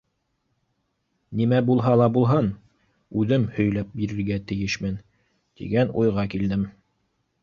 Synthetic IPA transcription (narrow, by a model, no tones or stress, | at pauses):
nimæbulˠɦɑlˠɑbulˠɦɤn | ʉðɘmhɵ̆jlæp̚biɾɘ̆ɾɡæt̪ɘ̆jɘʃmɘn | t̪ḭɡænujʁɑkild̪ɘm